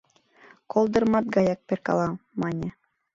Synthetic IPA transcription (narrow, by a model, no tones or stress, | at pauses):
kolˠd̪ɤ̆ɾmɑt̪̚ɡɑjɑk̚pʲeɾkɑ̰lˠɑmɑnʲe